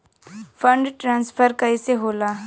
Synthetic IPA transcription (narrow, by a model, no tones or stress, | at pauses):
fə̃ɳɖʈɾãːnspʰəɾkəiseɦoːlaː